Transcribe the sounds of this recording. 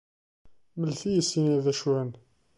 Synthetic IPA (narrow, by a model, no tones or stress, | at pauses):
məlθijəsinæðæʃwæn